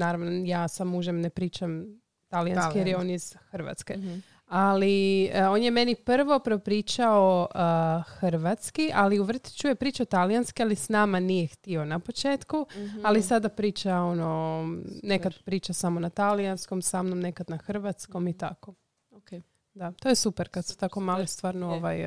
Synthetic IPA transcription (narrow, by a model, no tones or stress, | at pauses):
naːɾaʋnojaːsamuʒemnepɾiːt͡ʃam | t̪alijankijeɾjeo̞ːniz̥xəɾʋa̰t̪ske̞ | alio̞ːnjeme̞niprʋo̞pɾopɾiːt͡ʃaoəxrʋat̪skiʔaliuʋr̩t̪i̥t͡ɕuje̞pɾiːt͡ʃaot̪alijanskialisnaːmanijext̪io̞napo̞t͡ʃeːt̪kualisad̪apɾiːt͡ʃao̞no | ne̞kad̪pɾiːt͡ʃasamo̞nat̪alijansko̞msaːmnomne̞kad̪naxr̩ʋat̪sko̞mit̪a̰ko̞ | o | d̪at̪o̞jesupeɾkad̪su̥t̪ako̞maːlest̪ʋaːɾnooʋaj